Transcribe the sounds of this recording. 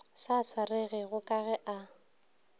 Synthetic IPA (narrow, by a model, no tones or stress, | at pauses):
saswarɪɣɪɣʊkʼaɣɛʔa